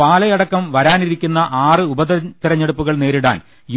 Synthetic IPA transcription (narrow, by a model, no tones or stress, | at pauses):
paːlɐjɐɽɐkːɐmʋɐɾaːniɾikʲːunːɐʔaːrɨubɐtt̪irɐɲːeɽupːuɣɐɭne̞ːɾiɽa̰ːn | j